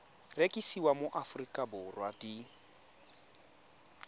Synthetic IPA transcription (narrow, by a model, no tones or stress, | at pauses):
rekʼisiwamʊʔafrikʼabʊrwadi